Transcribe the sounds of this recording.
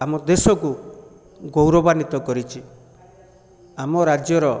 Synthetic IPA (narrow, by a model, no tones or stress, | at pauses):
amɔd̪esɔku | ɡowɾɔbanit̪ɔkɔɾit͡ʃʰi | amɔɾad͡ʒjɔɾɔ